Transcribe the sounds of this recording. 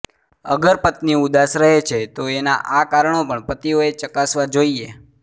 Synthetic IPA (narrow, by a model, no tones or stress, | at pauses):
əɡəɾpət̪niud̪asɾəɦet͡ʃʰet̪oena̰ʔakaɾəɳopəɳpət̪ioet͡ʃəkasʋad͡ʒoie